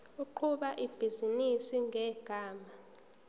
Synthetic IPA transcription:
uǃʰuɓaʔib̥ʱizinisiŋʱɛɡ̥ʱaːma

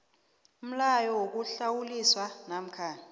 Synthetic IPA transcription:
um̩lajɔwok̬uɬawuliswanam̩kʰaːni

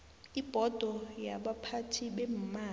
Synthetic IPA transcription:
ib̥ʱɔd̥ʱɔjaɓapʰatʰiɓem̩maː

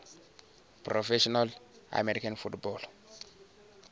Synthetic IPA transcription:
pɾofeʃɔnala̰meɾikanfutbɔl

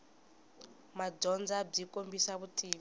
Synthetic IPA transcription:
mad͡ʒɔnd͡zab͡ʐikʼombisaβutʰʼiːβ

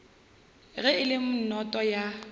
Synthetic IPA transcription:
ɣɛɪlɪm̩nɔtʼɔja

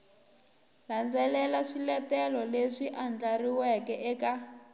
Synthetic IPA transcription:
land͡zɛlɛlaʂilɛtɛlɔleʂiʔand͡ɮariwɛkɛʔɛka

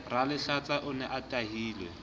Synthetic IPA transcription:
ralɪɬat͡saʔʊnɛʔatʼaɦiːlwɛ̰

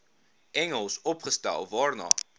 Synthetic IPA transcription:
ʔɛŋəlˠsɔpχəstɛ̰lˠvɑːɹnɑ̰

